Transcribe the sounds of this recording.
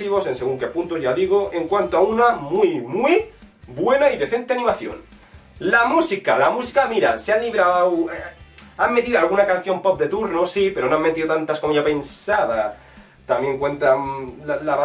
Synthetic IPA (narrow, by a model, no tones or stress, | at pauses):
iβo̞se̞nseɣ̞uŋke̞punt̪ozʝaðiɣ̞oʔeŋkwant̪oaunamujmjbwe̞naiðe̞θe̞nt̪eanĩmaθjo̰n | lamusikalamusi̥kamiɾa̰sealiβɾaweamːet̪iðoalɣ̞unakan̟θjo̞mpop̚d̪e̞t̪uɾnosipe̞ɾonoamːe̞t̪iðot̪ant̪askomeʎape̞nsaða | t̪amje̞ŋkwe̞nt̪alalara